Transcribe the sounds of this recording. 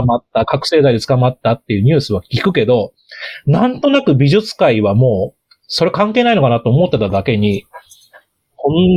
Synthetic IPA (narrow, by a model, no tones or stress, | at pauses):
mat̪ːakakɯ̟̥se̞ːd̪aid̪et͡sɨ̥kamat̪ːat̪ːe̞jɯ̟ːɲ̟ɨ̟ːsɨβakʲikɯ̟ke̞d̪o̞ | nãnt̪o̞nakɯ̟bʲiʑɨt͡sɨ̥kaiβamo̞ː | so̞ɾe̞kãŋke̞ːnaino̞kanat̪o̞ːmo̞t̪ːe̞t̪ad̪ake̞ɲ̟i | hõn